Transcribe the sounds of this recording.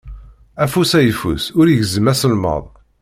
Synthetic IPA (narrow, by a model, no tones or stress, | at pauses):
æfusæjəfṵsʊɾiʝzəmæsəlmə̰ðˤ